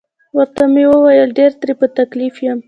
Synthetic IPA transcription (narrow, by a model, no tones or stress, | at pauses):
wəɾt̪amewəwajəlɖeɾt̪ɾepət̪aklifjam